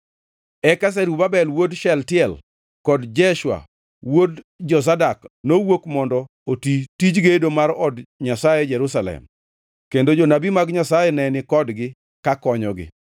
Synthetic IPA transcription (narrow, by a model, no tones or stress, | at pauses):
ɛkas̬ɛɾubabɛlwodʃɛltɪɛl | kɔdd͡ʒɛʃwa̰ | wod | d͡ʒɔs̬adaknowokmɔndɔ | otitid͡ʒɡedomaɾɔdɲasajed͡ʒɛɾusalɛ̰m | kendod͡ʒonabimaɡɲasajɛnɛnɪkɔdɡɪ | kakɔɲɔɡɪ̰